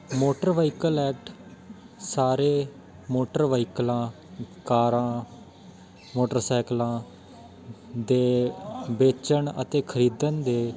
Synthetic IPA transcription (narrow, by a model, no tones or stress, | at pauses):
moːʈəɾʋaːikəlɛːkʈ | saːɾeː | moːʈəɾʋaːiklãː | kaːɾãː | moːʈəɾsaːklãː | d̪eːbeːt͡ʃəɳə̰t̪eːkʰəɾiːd̪ənd̪eː